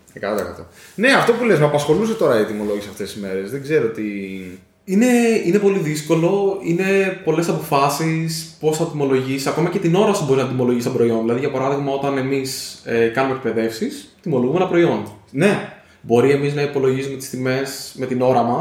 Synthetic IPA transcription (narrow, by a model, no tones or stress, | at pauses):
ekɐt̪ɐt̪ɐkɐ̰t̪o̰ne̞ɐft̪o̞pule̞zmɐpɐsxo̞lus̬et̪o̞ɾɐit̪imo̞lo̞ʝiseɐft̪e̞sizme̞ɾe̞zðeɡze̞ɾot̪i | ine̞ine̞po̞liðisko̞lo̞ine̞po̞le̞sɐpo̞fɐsispo̞sθɐt̪imo̞lo̞ʝisiɐko̞mɐce̞t̪ino̞ɾɐsibo̞ɾiznɐd̪imo̞lo̞ʝist̪obɾo̞io̞nðilɐðiʝɐpɐɾɐðiɣmɐo̞t̪ɐne̞misekɐnumek̚pe̞ðe̞fsist̪imo̞lo̞ɣumenɐpɾo̞io̞nne̞ | bo̞ɾie̞miznɐipo̞lo̞ʝisume̞t̪i̥st̪ime̞sme̞t̪ino̞ɾɐmɐ